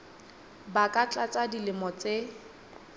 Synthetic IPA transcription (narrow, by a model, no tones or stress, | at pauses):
bakʼat͡ɬʼat͡sʼadilɪmɔt͡sʼe